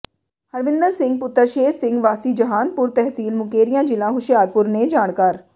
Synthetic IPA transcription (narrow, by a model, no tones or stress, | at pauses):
həɾʋɪ̃nd̪əɾsɪ̃ŋɡ̚pʊt̪ːəɾʃeːɾsɪ̃ŋɡʋaːsiːd͡ʒəɦaːnpʊɾt̪ɛɦsiːlmʊkeːɾijãːd͡ʒɪlãːɦʊʃjaːɾpʊɾneːd͡ʒaːɽ̃kaːɾ